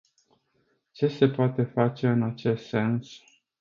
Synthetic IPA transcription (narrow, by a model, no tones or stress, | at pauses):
t͡ʃe̞se̞poat̪e̞fat͡ʃe̞ɨnat͡ʃe̞st̪se̞ns